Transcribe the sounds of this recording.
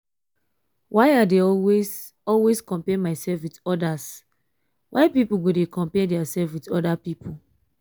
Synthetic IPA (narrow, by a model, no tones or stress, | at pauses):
wʔaɪadeɔwes | ɔlweskɔ̃mpɛmaɪsɛlfwitɔdas | wʔaɪpipuɡodekɔ̃mpɛdɛasɛlfwitɔdapipʰu